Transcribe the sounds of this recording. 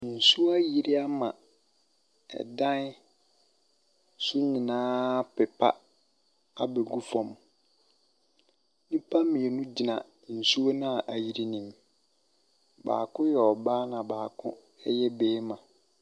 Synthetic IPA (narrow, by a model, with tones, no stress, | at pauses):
n̩˨su˦a˦ji˦ɾi˦a˦mã˨ | ɛ̰˨dã˦n˦ | su˦ɲɪ̃˨nãː˦pɛ˨pʰa̰˦ | a˨be˨ɡu˦fɔ̃˨m | nĩ˦pʰa˦mĩ˨e˨nũ˦d͡ʑi˨nã˨ | n̩˨su˦o˦nã˦˨ʔa˨ji˨ɾi˦nĩ˨m | ba̰ː˨kʰʊ̃˦jɛ˨ɔ˨baː˦nã˨baː˨kʰʊ̃˦ | ɛ˦jɛ˦beː˨˦mã˨